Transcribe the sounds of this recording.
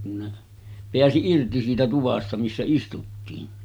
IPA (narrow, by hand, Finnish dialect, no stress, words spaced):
kun ne peæsi irti siːtæ tuʋɑstɑ misːæ istutːiːn